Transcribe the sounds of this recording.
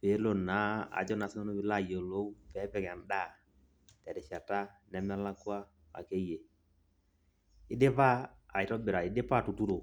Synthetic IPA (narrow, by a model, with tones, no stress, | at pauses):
pe˨˦lo˨na˨˦a̰˨d͡ʒɔ˦na˨sɪ˦ŋɔ˦no˦bɪ˨la˦˨jo˨lo˦u˦pɛ˨˦pɛ˨ŋɛ˨nda˦˨ | tɛ˨dɛ˨ʃa˨ta˦nɛ˦ma˦la˦kwa˦ | a̰˨ke˦je˨ | ɪ˦dɪ˦pa˦a̰˨ɪ˨tɔ˦bɪ˨ɾa˨ɪ˨dɪ˦pa˦˨tu˨tu˦ɾo˨